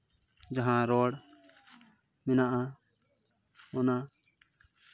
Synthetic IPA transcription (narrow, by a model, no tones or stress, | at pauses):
d͡ʒaɦãɾɔɽ | minaʔa | mɔna